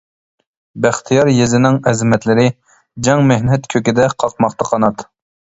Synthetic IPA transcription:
bæχt̪ʰijɑɾjezɪnɪŋɛzmɛt̪lɪɾɪ | d͡ʒɑŋmɪhnɛt̪kʲʰøkʲid̪ɛqʰɑq̚mɑχt̪ɑqʰɑnɑt̪

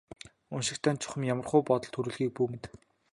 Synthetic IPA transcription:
ʊnʃɪ̆kt̪ʰæːnt͡ɕʰʊ̥χə̆mjamə̆rχʊjpɔt̪ɞ̆ɮt̪ʰɵɾŭːɮɣiːk̚pum̆t̪

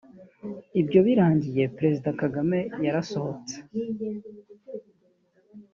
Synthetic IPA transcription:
ibɟo̞βiɾaːɲɟije̞pɾe̞zidakaɡame̞jaɾaso̞ho̞t͡se̥

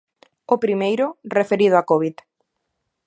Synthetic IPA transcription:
opɾimejɾʊrefeɾið̞ʊakoβit̪

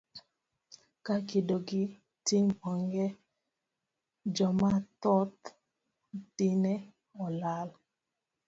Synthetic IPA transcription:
kakidoɡi | tiŋbɔŋɡɛ | d͡ʒɔmatɔt | tinɛ | ɔlal

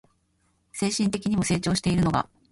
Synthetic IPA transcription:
se̞ːɕĩnt̪e̞kʲiɲ̟imo̞se̞ːt͡ɕo̞ːɕi̥t̪e̞iɾɯ̟no̞ɡa̰

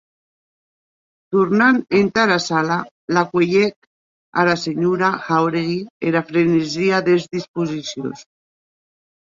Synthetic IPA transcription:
t̪uɾnanent̪aɾasala | lakweʎek̚ | a̰laseɲuɾaxawɾeɣieɾafɾeneziaðezðispuzisjo̰s

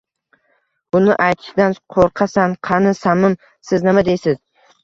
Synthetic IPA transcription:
bʊnɪʔajt̪ʰɪ̥ʃɪd̪anqʰoɾqʰɑsanqʰɑnɪsamɪm | sɪznɪmad̪e̞jsɪz̥

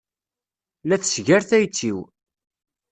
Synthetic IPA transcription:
læθəsʝæɾθæjt͡sːiw

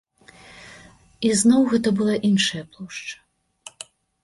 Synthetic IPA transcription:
iznɔwɣɛt̪ɐbɨlˠaʔinʂɐjɐplˠɔʂt͡ʂɐ̥

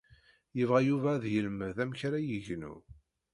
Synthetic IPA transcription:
jəvʁæjuvæðjəlməðæmçɾæjəʝnṵ

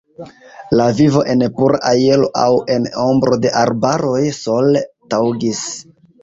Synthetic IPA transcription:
lavivo̞ʔe̞npuɾʔaʔajelo̞̰ʔawe̞nombɾo̞de̞ʔaɾbaɾo̞jso̞ltawɡis

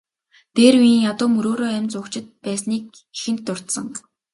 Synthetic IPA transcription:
t̪eːrwiːŋjat̪ʊːmɵɾoːɾoːæmʲt͡sʊkt͡ɕɪ̆t̪̚pæːsniːk̚ | ixɘ̆n̥t̪ːʊr̥t̪sə̆ŋ

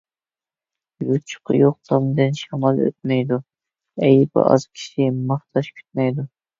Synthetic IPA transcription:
jut͡ʃʰʊ̥qʰjoq̚t̪ʰɑmd̪ɨnʃɑmɑlˠø̰t̪̚mɛjd̪u | ɛjpɑ̰ʔɑ̰z̥kʲʰi̥ʃimɑχt̪ʰɑʃkʲʰy̥t̪̚mɛjd̪u

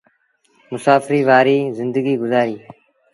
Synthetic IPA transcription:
mʊsaːfɾiːʋaːɾiːzɪnd̪əɡiːɡʊzaːɾiː

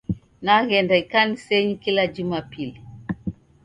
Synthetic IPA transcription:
naɣɛndaikanisɛɲikilad͡ʒumapili

